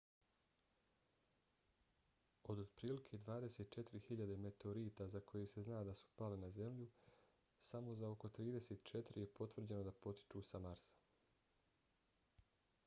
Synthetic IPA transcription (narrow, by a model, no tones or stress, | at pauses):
o̞d̪od̪pɾiːlikʰed̪ʋaːd̪eset̪̚t͡ʃe̞t̪iɾihiʎad̪e̞me̞t̪eoɾiːt̪azako̞jese̞znaːd̪asu̥palenaze̞mʎu | samo̞zao̞ko̞t̪ɾiːd̪e̞seːt̪t͡ʃe̞t̪iɾije̞po̞t̪ʋr̩d͡ʑe̞no̞d̪apo̞t̪i̥t͡ʃuːsamaɾsḁ